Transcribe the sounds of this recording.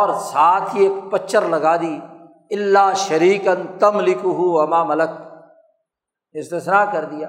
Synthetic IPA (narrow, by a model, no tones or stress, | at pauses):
ɔːɾsaːt̪ʰieːkpɐt͡ʃʰːəɾlɐɡaːd̪iː | ɪlːaːʃɐɾiːkɐnt̪ɐmlɪkʊɦuɐmaːmɐlək̚ | ɪst̪ɪsnaːkɐɾd̪ijaː